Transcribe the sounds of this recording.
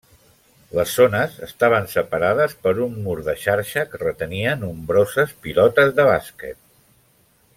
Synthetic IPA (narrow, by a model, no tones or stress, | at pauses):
ləzːonəzəst̪aβ̞ənsəpəɾaðəspəɾumːuɾðəʃaɾʃəkərət̪əniənumbɾozəspilɔt̪əzðəβ̞askə̰t̪̚